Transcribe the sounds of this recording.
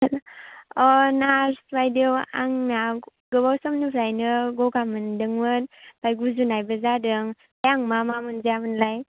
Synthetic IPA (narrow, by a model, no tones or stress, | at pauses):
lɔnaɾsbajdiewa̰ŋnaɡɯbawsɔmnɯpʰɾajnɯɡɔɡamɯndɯŋmɯnb̥ajɡuzunajbɯzadɯŋ | bajaŋmamamɯnziamɯnlaj